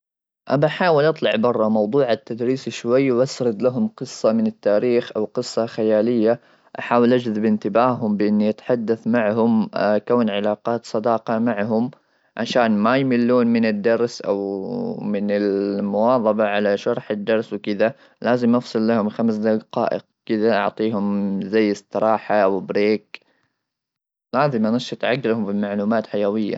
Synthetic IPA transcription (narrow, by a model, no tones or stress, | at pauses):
ʔabaħaːwɪlʔɑt̪ˤlɑʕbɑrˤːɑmɑwd̪ˤuːʕat̪ːad̪ɾiːsiʃwajːwʔasɾɨd̪laɦʊmqɨsˤːɑmɪnɪt̪ːaːɾiːxʔawqɨsˤːɑxajaːlɪjːa | ʔaħaːwɪlʔad͡ʒðɪbɪnt̪ɪbaːɦʊmbɪʔɪnːiʔat̪ḁħad̪ːaθmaʕɦʊmkaːnʕɪlaːqɑːt̪sˤɑd̪ɑːqɑmaʕɦʊm | ʕa̰ʃaːnmajmɪlːuːnmɪnɪd̪ːɑɾˤsʔa̰wmɪnɪlmʊwɑːðˤɑbɑʕalaʃɑɾˤħɪd̪ːɑɾˤswkɪða | laːzɪmʔɑfsˤɨlːahʊmxamsd̪aɡqɑ̰ːʔɪ̰q̚kɪðaʔɑʕt̪ˤiːɦʊmzajːɪst̪ˤɨɾˤɑːħaʔwbɾeːk | laːzɪmʔɑnɨʃat̪ʕaɡːlhʊmbɪmaʕluːmaːt̪ħajawɪjːa̰